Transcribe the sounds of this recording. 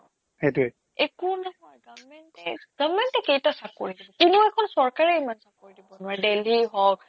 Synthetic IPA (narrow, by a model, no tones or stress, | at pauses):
hetue | ekunɔɦɔjɡavmɛntɛɡ̥avmɛntɛkejtasakːo̰ɹidibɔtinɛʊɛkʰɔnsɔɹkaɹɛimansakkoɹidibɔnʊwaɹɛdeliɦɔk̚